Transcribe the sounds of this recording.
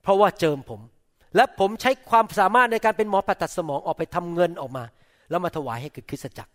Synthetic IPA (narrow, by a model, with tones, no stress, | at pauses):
pʰɾɔ˦˥waː˥˩t͡ɕɤː˧mpʰo˩˦m | lɛ˦˥pʰo˩˦mt͡ɕʰa˦˥jkʰwaː˧msaː˨˩˦maː˥˩t̪̚na˧jkaː˧npe˧nmɔː˨˦pʰa˨˩t̪̚ːa˨˩t̪̚sa˧mɔː˩˦ŋʔɔː˨˩k̚pa˧jt̪ʰa˧mŋɤ˧nʔɔː˨˩k̚maː˧ | lɛː˦˥wmaː˧t̪ʰa˧waː˩˦jha˥˩jkɯː˨˩kʰɯ˦˥t̪̚sa˧t͡ɕa̰˨˩k̚